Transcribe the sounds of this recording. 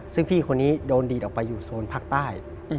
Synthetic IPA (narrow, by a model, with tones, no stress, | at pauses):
sɯ˥˩ŋpʰiː˥˩kʰo˧nːiː˦˥doː˧ndiː˨˩ʔːpa˧jːuː˨˩suː˧˩npʰaː˥˩k̚t̪aː˥˩j